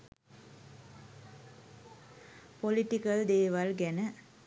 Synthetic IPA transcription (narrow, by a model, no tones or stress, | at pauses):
pɔlɪʈːɪkɐld̪eːʋɐlɡɛnə